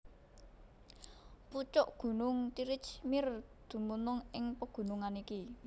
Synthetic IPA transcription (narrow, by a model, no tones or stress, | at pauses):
put͡ʃɔʔɡ̥ṳnʊŋt̪iɾɪt͡ʃmɪrd̪̥ṳmunʊŋɪŋpəɡ̥ṳnuŋaniki